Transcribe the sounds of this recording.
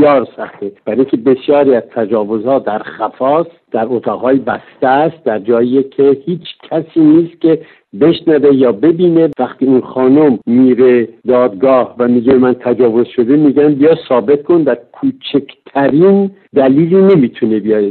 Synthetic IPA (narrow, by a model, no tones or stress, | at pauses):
ɒːɾsæxt̪eb̥æɾeŋkʲʰebe̞sjɒːɾiæz̥t̪ʰæd͡ʒɒːvo̞zhɒːd̪æɾχæfɒːs | d̪̥æɾot̪ʰɒːɣhɒːjebæst̪æst̪̚d̪æɾd͡ʒɒːijekʰehiːt͡ʃʰcʲʰæsiːniːst̪̚kʲʰe̞ | be̞ʃnæve̞jɒːbe̞biːnevæχt̪iːunχɒːnomːiːɾed̪ɒːd̪̚ɡɒːhvæmiːɡebemænt̪ʰæd͡ʒɒːvo̞zʃo̞d̪emiːɡænbijɒsɒːbe̞t̪̚kʰo̞nd̪æɾkʰuːt͡ʃʰekʰt̪ʰæɾin | d̪æliːliːne̞miːt̪ʰunebijɒːje